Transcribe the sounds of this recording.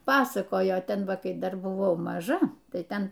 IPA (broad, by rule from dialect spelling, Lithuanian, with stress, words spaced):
ˈpɑːsɐkoːjoː ˈtʲɛn ˈʋɐ ˈkɐɪ ˈdɐr bʊˈʋɐʊ mɐˈʒɐ ˈtɐɪ ˈtʲɛn